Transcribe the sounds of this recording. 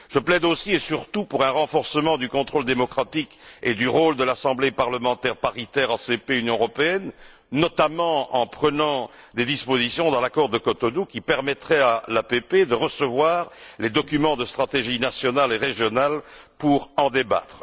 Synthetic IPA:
ʒ̥əplɛd̪osiesyʁt̪upuʁɛ̃ʁɑ̃fɔʁsəmɑ̃d̪ykɔ̃t̪χold̪emɔkχat̪iked̪yʁold̪əlasɑ̃blepaʁləmɑ̃t̪ɛʁpaʁit̪ɛʁɑ̃sepeynjɔ̃əʁɔpeɛnː | ɔt̪amɑ̃ɑ̰̃pχənɑ̃ | d̪ed̪ispozisjɔ̃d̪ɑ̃lakɔʁd̪əkɔt̪ɔnukʲipɛʁmɛt̪χɛalapeped̪əʁəsəvwaːʁled̪ɔkʲymɑ̃d̪əst̪χat̪eʒinasjɔnaleʁeʒjɔnalpuʁɑ̃d̪eba̰t̪χə

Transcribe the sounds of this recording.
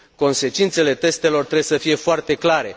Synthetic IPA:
ko̞nse̞t͡ʃint̪se̞le̞t̪e̞st̪e̞lo̞rt̪ɾebsəfije̞foart̪e̞klaɾe̞

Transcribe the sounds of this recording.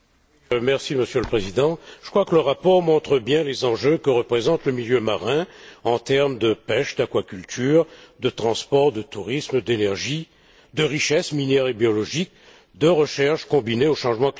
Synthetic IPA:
mɛʁsiməsjøləpχezid̪ɑ̃ʒ̥əkχwakələʁapɔʁmɔ̃t̪χəbjɛ̃lezɑ̃ʒøkəʁəpχezɑ̃t̪ləmiljømaʁɛ̃ɑ̃t̪ɛʁmd̪əpɛʃd̪akwakʲylt̪ʰyːʁd̪ət̪χɑ̃spɔʁd̪ət̪uʁismd̪enɛʁʒi | d̪əʁiʃɛsminɛʁebjɔlɔʒik̚ | d̪əʁəʃɛʁʃkɔ̃bineoʃɑ̃ʒmɑ̃k

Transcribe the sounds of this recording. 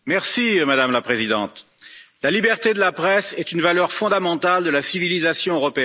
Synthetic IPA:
mɛʁsimad̪amlapχezid̪ɑ̰̃t̪ | lalibɛʁt̪ed̪əlapχɛsɛt̪ynvalœʁfɔ̃d̪amɑ̃t̪ald̪əlasivilizasjɔ̃øʁɔpeɛ

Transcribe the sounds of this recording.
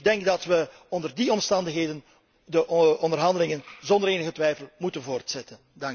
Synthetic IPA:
ɡ̚dɛŋɡdɑtʋə | ɔndərdiɔmstɑndəxɦeːdən | dəʔɔndərɦɑndəlɪŋənzɔndəɾeːnəɣətʋɛjfəlˠmutənvoːrtsɛtən | dɑŋ

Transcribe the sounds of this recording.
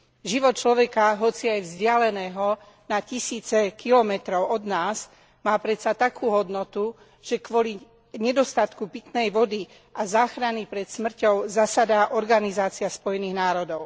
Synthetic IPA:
ʒiʋɔt̪̚t͡ʃlɔʋɛkaɦɔt͡siajvzɟɪalɛnɛːɦɔ | nacisiːt͡sɛkilɔmɛt̪ɾɔʊɔd̪naːz | maːpɾɛt̪sat̪akʰuːɦɔd̪nɔt̪u | ʒ̥ɛkʋɔli | ɲɛd̪ɔst̪at̪kupit̪nɛjʋɔd̪i | ʔazaːxɾanipɾɛt̪smr̩cɔʊzasad̪aʔɔɾɡanizaːt͡siaspɔjɛniːɣnaːɾɔd̪ɔʊ

